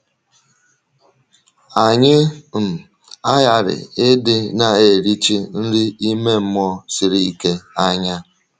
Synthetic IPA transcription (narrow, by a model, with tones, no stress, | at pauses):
a˨ɲɪ˦m̩˨ | a˦ja˨ɾɪ̰˨e˦dɪ˦na˨e˨ɾi˦t͡ʃi˦n̩˦di˦i˦me˦m̩˦mɔ˦sɪ˨ɾi˨i˦ke˦a˦ɲa˦